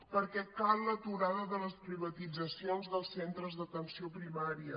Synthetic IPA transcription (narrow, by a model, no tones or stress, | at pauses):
pəɾkɛt̪pallət̪uɾaðəðələspɾiβət̪id͡zəsionzðəlˠsːent̪ɾəzðət̪ənsiopɾimaɾiə